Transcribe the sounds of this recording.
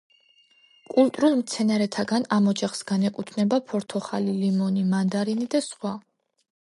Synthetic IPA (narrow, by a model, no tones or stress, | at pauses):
kʼulˠt̪ʼɾulˠmt̪sʰɛnaɾɛt̪ʰaɡanamɔd͡ʒaχsɡanɛkʼut̪ʰnɛbapʰɔɾt̪ʰɔχalilimɔnimand̪aɾinid̪asχwa